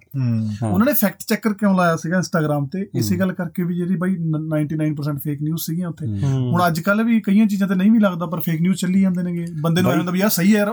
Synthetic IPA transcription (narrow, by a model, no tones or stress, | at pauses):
ʊnãːneːpʰɛːk̚ʈt͡ʃɛːkːəɾkjɔ̃ːlaːjaːsiːɡaːɪnsʈaːɡɾaːmt̪eːɪseːɡəlːkəɾkeːʋiːd͡ʒeːɽiːbaːiːnaːɪɳʈiːnaːɪnpəɾs̬ɛ̃ːɳʈpʰeːknjuːzsiːɡijãːʊt̪ʰːeːɦʊɳ̃əd͡ʒkəlʋiːkəijãːt͡ʃiːzãːt̪eːnəĩːʋiːləɡd̪aːpəɾpʰeːknjuːzt͡ʃəliːãːnd̪eːnẽːɡeːbənd̪eːnũmələbiaːsəiːɛː